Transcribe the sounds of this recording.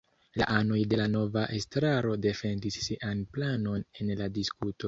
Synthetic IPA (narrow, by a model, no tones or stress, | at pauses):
la̰ʔano̞jde̞lano̞vaʔe̞stɾaɾo̞de̞fe̞ndisːiʔanplano̞ne̞nladiskuto̞